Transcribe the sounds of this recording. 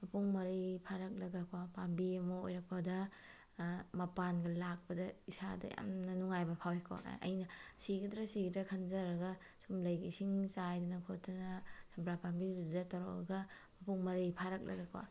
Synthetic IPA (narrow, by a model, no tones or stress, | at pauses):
mɐpʰuŋmɐɾipʰaɾɐk̚lɐɡɐkʰwapambiɐmɐo̰jɾɐk̚pɐdɐ | mɐpanɡɐlak̚pɐdɐisa̰dɐ̰ja̰mnɐnuŋajbɐpʰawikʰo̰ɐ̰jnɐsiɡidɾɐsiɡdɐkʰɐnzɐɾɐɡɐ | sumlɐjɡisiŋsajdunɐkʰotɐnɐsɐbɾapambiduddɐtɐɾɔ̰ɐ̰ɡɐ | mɐpʰuŋmɐɾipʰaɾɐk̚lʔɐ̰ɡakʰwa̰